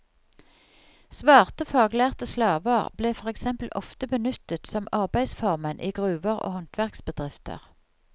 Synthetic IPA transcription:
sʋɑːʁt̪əfɑːɡlæːʁt̪əslɑːʋəʁb̥leːfɔʁɛksɛmpl̩ʔɔ̰ft̪əbənʏt̪ət̪sɔmɑʁbæɪsfɔʁmənʔiːɡʁʉːʋəʁo̰ːhɔnt̪ʋæʁksbəd̪ʁɪft̪ʰə̰ʁ

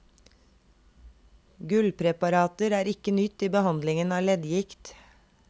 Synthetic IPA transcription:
ɡʉlpʰɾɛpɑɾɑːt̪əɾæːɾɪkənʏt̪ːiːbəhɑnd̪lɪŋənɑːlɛd̪jɪkt̪

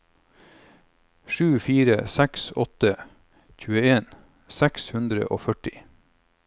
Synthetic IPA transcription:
ʃʉːfiːɾəsæksɔt̪ə | çʉːəeːn | sækshʉnd̪ɾə̰ʔo̰ːfœʈɪ

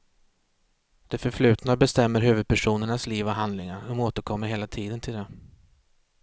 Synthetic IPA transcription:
d̪̥ɛfœɾfɭʉ̟ːt̪nad̪bɛst̪ɛmːəɾɦʉ̟ːvɵd̪̚pʰæʂuːnəɳasliːvɔɦand̪lɪŋaɾɔmoːt̪əɾkʰɔmːəɾɦeːlat̪ʰiːd̪ənt̪ʰɪld̪ɛ

